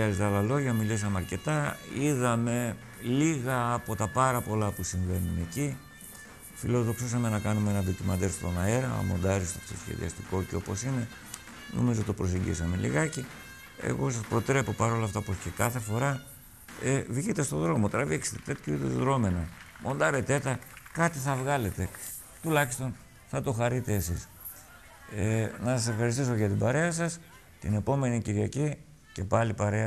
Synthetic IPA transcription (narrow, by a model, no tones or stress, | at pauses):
ɐzet̪ɐlɐlo̞ʝɐmilis̬ɐmeɐɾce̞t̪ɐiðɐme̞ | liɣɐːpo̞t̪ɐpɐɾɐpo̞lɐpusiɱve̞nuneci | filo̞ðo̞ksisɐme̞nɐkɐnumeenɐðit̪imɐd̪elst̪o̞nɐe̞ɾɐ̰mo̞̰nd̪ɐɾist̪opt̪o̰sçḛðḭɐ̰st̪iko̞ceo̞po̞sine̞ | no̞̰mizot̪opɾo̞s̬eɲɟḭsɐme̞lḭɣɐci | ḛɣo̞sɐspɾo̞t̪ɾe̞po̞pɐɾo̞lɐft̪ɐoposcekɐθe̞fo̞ɾɐ | evʝit̪e̞st̪o̞ðɾo̞mo̞t̪ɾɐvikse̥t̪et̪e̞t̪çʰoit̪ezðɾo̞me̞nɐmʔo̞nd̪ɐɾet̪e̞t̪ɐkɐt̪iθɐvɣɐle̞t̪e̞ | t̪ulɐçist̪o̞n | θɐt̪oxɐɾit̪e̞ːsis | enɐsɐse̞fxɐɾist̪iso̞ʝɐt̪ibɐɾe̞ɐsɐs | t̪ine̞po̞me̞niciɾʝɐ̰ci | ce̞pɐlipɐɾe̞ɐ